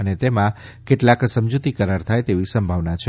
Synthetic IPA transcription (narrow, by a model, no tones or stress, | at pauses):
ənet̪emã | keʈlaksəmd͡ʒut̪ikəɾaɾt̪ʰajt̪eʋisəmbʱaʋnat͡ʃʰe